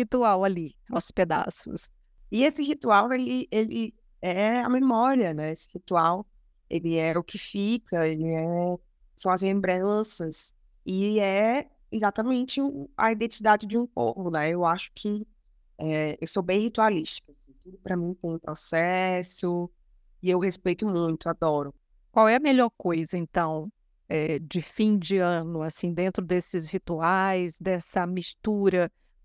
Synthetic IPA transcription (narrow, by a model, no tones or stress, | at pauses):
hit̪uawalinɔsʊsped̪a̰sʊ̰s | ɪesɪhit̪uawelɪelɪ | ɛɐ̰memɔɾiɐnɛesɪ̥hit̪uaw | elɪɛʊkʰɪfikʰɐelɪɛ | sɐ̃ɐzlẽmbɾɐ̃sɐs | ɪɛ | izat̪ɐmẽnt͡ʃɪʊɐ̰id̪ẽt͡ʃid̪ad͡ʒɪd͡ʒɪũpo̰vʊnɛewaʃʊ̥kʰɪ | ɛewsobẽj̃hit̪ualiʃt͡ʃi̥kasĩt̪ud̪ʊpɾɐmĩt̪ẽj̃ũpɾɔsɛsʊ | ɪewhespejt̪ʊmũj̃t̪ʊad̪ɔɾʊ | kwawɛɐmeʎɔɾkojzɐẽnt̪ɐ̃w̃ | ɛd͡ʒɪfĩd͡ʒɪɐ̃nʊasĩd̪ẽnt̪ɾʊd̪esɪzhit̪uajzd̪ɛsɐmist̪uɾɐ